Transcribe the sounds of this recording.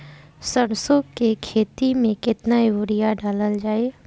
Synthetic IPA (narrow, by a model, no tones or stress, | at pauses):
səɽ̃sokekʰeːt̪imẽkɪt̪naiʋʊɾɪjaɖaːləld͡ʒaːeː